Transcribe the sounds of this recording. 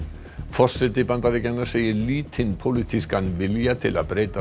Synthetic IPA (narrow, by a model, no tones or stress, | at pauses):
fɔr̥sɪt̪ɪpant̪aɾɪcɛnːaɾ̥seːjɪɾliːt̪ʰɪnpʰowlit̪ʰiskanːvɪljat̪ʰɪla̰ðpɾeːjt̪a